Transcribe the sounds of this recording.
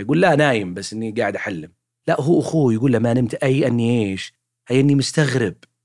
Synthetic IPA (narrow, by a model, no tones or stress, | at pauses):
jɡuːlːanaːjɪmbasːʔɪnːiɡaːʕɪd̪ʔaħalːɪm | laʔɦuːʔaxuːjɡuːlːamːaʔnɪmt̪ʔajːʔɪnːiʔeːʃ | ʔajːʔɪnːimʊst̪aɣɾɪb̚